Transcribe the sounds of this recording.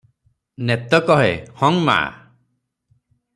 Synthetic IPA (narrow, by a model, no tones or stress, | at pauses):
net̪ɔkɔɦḛhɔŋma̰ʔa̰